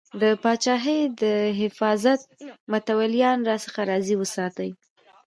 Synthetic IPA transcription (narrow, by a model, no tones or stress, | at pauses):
d̪əpɑt͡ʃɑɦəjd̪əɦɪfɑzat̪̚mʊt̪awaljɑnɾɑsəxaɾɑziwəsɑt̪əj